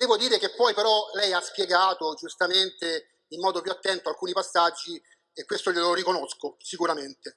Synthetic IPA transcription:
d̪ɛːvod̪iːɾek̟epːɔjpeɾɔlɛjaspjeɡaːt̪od͡ʒust̪ament̪e | imːɔːd̪opjuat̪ːɛnt̪oalkuːnipasːad͡ʒːi | ekwest̪oʎeloɾikonoskosikuɾament̪e

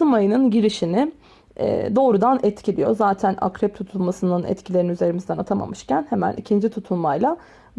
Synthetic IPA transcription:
ɯmajɯnɯnɟiɾiʃinɪ | ɛ̰d̪o̞ːɾud̪anɛt̪cʰilʲijo̞̰zaːt̪ʰæna̰kɾɛp̚t̪ʰut̪ʰulˠmasɯnɯnɛ̰t̪cʰilʲe̞ɾiniyze̞ɾimizd̪ɛnat̪ʰama̰mɯʃcʰænhemæ̰nḭcʰind͡ʒit̪ʰut̪ʰulˠmajlˠa

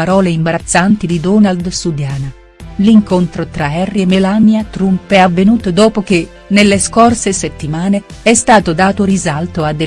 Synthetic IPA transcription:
aɾɔːleimbaɾat̪sːant̪id̪id̪ɔːnald̪sud̪jaːna | liŋkont̪ɾot̪ɾaɛrːiemːelanjat̪ɾumpɛavːenuːt̪od̪ɔːpok̟e | nelːeskorseset̪ːimaːneɛst̪aːt̪od̪aːt̪oɾizalt̪oad̪ːe

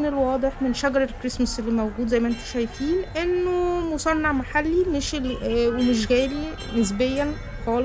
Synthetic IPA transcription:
nelwɑːd̪ˤeħmenʃæɡɑɾˤelkɾesmæselːimæwɡuːd̪zæjːmæʔent̪o̥ʃæjt̪iːnʔenːomosˤɑnːɑʕmaħalːimeʃelwemeʃ̬ɣæːli | nes̬bejːæn | xɑːle

